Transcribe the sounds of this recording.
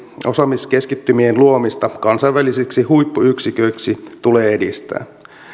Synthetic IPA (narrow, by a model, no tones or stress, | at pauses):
o̞sɑmiske̞skit̪ːymienluomist̪ɑkɑnsɑjʋælisiksihujpːuyksikø̞iksit̪uleːedist̪æ̰ː